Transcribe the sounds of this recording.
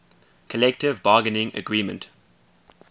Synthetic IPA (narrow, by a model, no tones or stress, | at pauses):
kʰəlɛk̚tɪvbɑːɡənɪ̃ŋə̰ɡɹiːmə̃nt